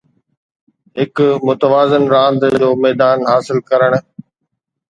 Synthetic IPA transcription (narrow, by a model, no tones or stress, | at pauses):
ɦɪkmʊt̪əʋaːzənɾãːnd̪d͡ʑoːmɛːd̪aːnɦaːsɪlkɐɾəɽ̃